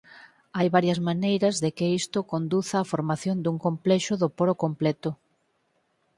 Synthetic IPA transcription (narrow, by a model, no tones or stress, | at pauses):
ajβaɾjɐzmanejɾɐzðekɪist̪ʊkond̪uθaːfoɾmaθjond̪uŋkomplɛʃʊðopoɾokomplɛt̪ʊ